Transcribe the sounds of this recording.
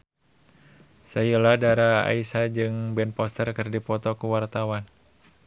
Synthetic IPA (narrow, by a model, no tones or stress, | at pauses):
sajulahdaɾaa̰isad͡ʒɨŋbɛnpɔst̪ərkɨrdipɔt̪ɔkuwart̪awan